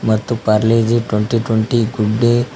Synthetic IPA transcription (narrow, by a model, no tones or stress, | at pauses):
mət̪ːupaɾled͡ʑiʈweɳʈiʈwəɳʈiɡuɖːe